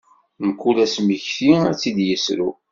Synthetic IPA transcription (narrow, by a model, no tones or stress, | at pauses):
məkːulæsməçθiæt͡sːid̪jəsɾu